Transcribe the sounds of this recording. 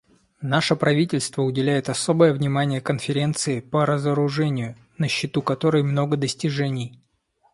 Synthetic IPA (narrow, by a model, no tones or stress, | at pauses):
naʂəpɾɐvʲitʲɪlʲst̪vəʊdʲɪlʲæjɪt̪ɐso̞bəjəvnʲɪmanʲɪjəkənfʲɪɾʲe̞nt̪sɨɪpəɾəzəɾʊʐɛnʲɪjʊ | nəɕːɪt̪ukɐt̪o̞ɾəjmno̞ɡəd̪əsʲtʲɪʐɛnʲɪj